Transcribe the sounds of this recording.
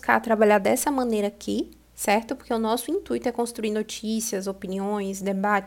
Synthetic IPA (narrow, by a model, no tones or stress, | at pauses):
ska̰ɾt̪ɾabaʎaɾd̪ɛsɐmɐ̃nejɾɐkʰɪ | sɛɾt̪ʊpoɾkeʊnɔsʊĩnt̪ujt̪ʊɛkõst̪ɾuiɾnot͡ʃisiɐzopiniõj̃sd̪ebat͡ʃ